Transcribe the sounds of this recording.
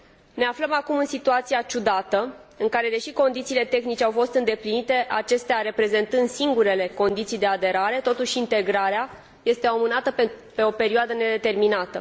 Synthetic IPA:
ne̞afləmakumɨnsit̪uat̪siat͡ʃud̪at̪əɨŋkaɾe̞d̪e̞ʃiko̞nd̪it̪siːle̞t̪e̞xnit͡ʃe̞awfo̞st̪ɨnd̪e̞plinit̪e̞ʔat͡ʃe̞st̪eaɾe̞pɾe̞ze̞nt̪ɨnd̪siŋɡuɾe̞le̞ko̞nd̪it̪sijd̪e̞ad̪e̞ɾaɾe̞t̪o̞t̪uʃint̪e̞ɡɾaɾea | je̞st̪e̞omɨnat̪əpe̞o̞pe̞ɾioad̪əne̞d̪e̞t̪e̞rminat̪ə

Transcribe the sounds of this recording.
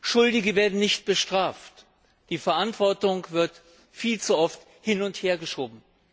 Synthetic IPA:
ʃʊldɪɡəveːɐdn̩nɪçt̚b̥əʃtʁ̥aːft | d̥iːfɛɐʔantv̥ɔɐtʊŋv̥ɪɐt | fiːlt͡suʔɔft | hɪnʊntheːɐɡəʃoːbm̩

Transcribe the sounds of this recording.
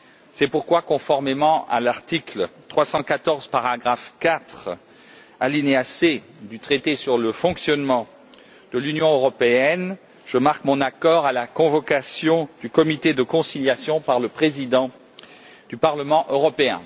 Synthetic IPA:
sɛpuʁkwakɔ̃fɔʁmemɑ̃ʔa̰laʁt̪iklt̪χwasɑ̃kat̪ɔʁzpaʁaɡʁafkat̪χ | alinease | d̪yt̪χet̪esyʁləfɔ̃ksjɔnmɑ̃ | d̪əlynjɔ̃øʁɔpeɛn | ʒ̥əmaʁkmɔ̃nakɔʁalakɔ̃vɔkasjɔ̃d̪̥ykɔmit̪ed̪əkɔ̃siljasjɔ̃paʁləpχezid̪ɑ̃ | d̪̥ypaʁləmɑ̃ʔøʁɔpeɛ̰̃

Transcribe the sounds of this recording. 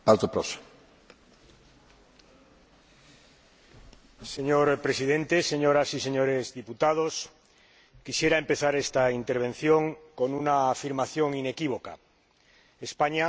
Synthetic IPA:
paɾt̪opɾoso̥ | se̞ɲoɾpɾesið̞ẽ̞nt̪ese̞ɲoɾasise̞ɲo̞ɾezðiput̪að̞os | kisje̞ɾaempe̞θaɾest̪aint̪e̞ɾβ̞ẽ̞n̟θjõŋko̞nunaːfiɾmaθjo̞ŋine̞kiβ̞o̞ka̰ | espaɲa

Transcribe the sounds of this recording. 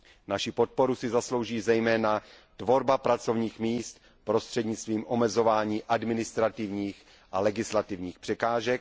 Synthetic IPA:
naʃɪpo̞t̪̚po̞ɾusɪzaslo̞wʒiːzɛjmɛːna | t̪vo̞ɾbapɾat͡so̞vɲiːxmiːst̪ | pɾo̞st̪r̥ɛdɲɪt͡st̪viːmʔo̞mɛzo̞vaːɲiːʔadmɪnɪst̪ɾat̪ɪvɲiːx | ʔalɛɡɪslat̪ɪvɲiːxpr̥ɛkaːʒɛk̚

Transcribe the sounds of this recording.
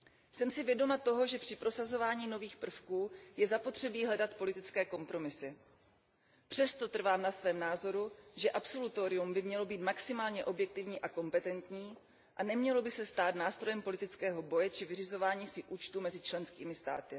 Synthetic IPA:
sɛmsɪvjɛdo̞mat̪o̞ɦo̞ʒɛpr̥ɪpɾo̞sazo̞vaːɲiːno̞viːxpr̩fkuːjɛzapo̞t̪r̝̥ɛbiːɦlɛdat̪po̞lɪt̪ɪt͡skɛːko̞mpɾo̞mɪsɪ | pr̝̥ɛst̪o̞t̪r̩vaːmnasvɛːmnaːzo̞ɾuʒɛʔapso̞lut̪o̞ːɾɪjumbɪmɲɛlo̞biːt̪maksɪmaːlɲɛʔo̞bjɛk̚t̪ɪvɲiːʔako̞mpɛt̪ɛnt̪ɲiː | ʔanɛmɲɛlo̞bɪsɛst̪aːt̪naːst̪ɾo̞jɛmpo̞lɪt̪ɪt͡skɛːɦo̞bo̞jɛt͡ʃɪvɪrɪzo̞vaːɲiːsɪʔuːt͡ʃt̪umɛzɪt͡ʃlɛnskiːmɪst̪a̰ːt̪ɪ

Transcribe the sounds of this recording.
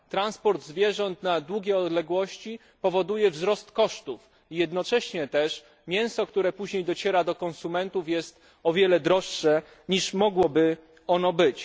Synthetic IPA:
t̪ɾanspɔɾd̪zvʲjɛʐɔnt̪nad̪wuɡʲjɛɔd̪lɛɡwɔɕt͡ɕi | pɔvɔd̪ujɛvzɾɔst̪kɔʂt̪uf | ijɛd̪nɔt͡ʂɛɕɲɛt̪ɛʂ | mʲjɛ̃w̃sɔkt̪uɾɛpuʑɲejd̪ɔt͡ɕɛɾad̪ɔkɔnsumɛnt̪ufjɛst̪ | ɔvʲjɛlɛd̪ɾɔʂːɛ | ɲiʂmɔɡwɔbɘ | ɔnɔbɘt͡ɕ

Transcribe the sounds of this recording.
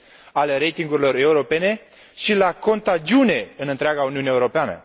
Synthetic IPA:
aleɾe̞jt̪iŋɡuɾilo̞ɾe̞uɾo̞pe̞ne̞ | ʃilako̞nt̪ad͡ʒiune̞ɨnɨnt̪ɾeaɡauniuneeuɾo̞peanə̰

